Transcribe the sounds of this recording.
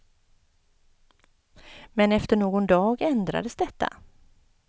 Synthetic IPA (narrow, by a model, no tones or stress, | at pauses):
mɛnɛft̪əɳoːɡɔnd̪ɑːɡɛnd̪ɾa̰d̪əsd̪ɛt̪ːa̰